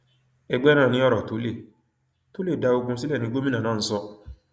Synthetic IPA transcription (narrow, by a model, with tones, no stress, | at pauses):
ɛ˧ɡ͡bɛ˦nãː˦˨nĩ˧˦ɔ˦ɾɔ˨to˨˦le˦˨ | to˦le˦˨da˧o˧ɡũ˧si˦lɛ˦˨nĩ˧˦ɡo˦mĩ˦nã˦˨ãː˦˨n̩˦sɔ˧